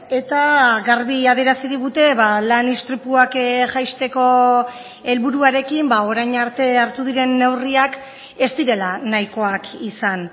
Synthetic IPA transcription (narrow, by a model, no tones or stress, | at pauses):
e̞t̪aɣaɾβiaðe̞ɾasiɾiɣut̪e̞βalanist̪ɾipuakʝajst̪e̞ko̞ | e̞lβuɾuaɾe̞kimbao̞ɾajɲaɾt̪e̞aɾt̪uð̞iɾe̞nːe̞wriak | e̞st̪iɾe̞lanajko̞akisan